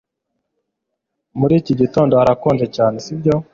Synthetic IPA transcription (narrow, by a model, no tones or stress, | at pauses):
muɾiːciɟito̞ːndoaɾakoːnʒe̞caːne̞sibɟo̞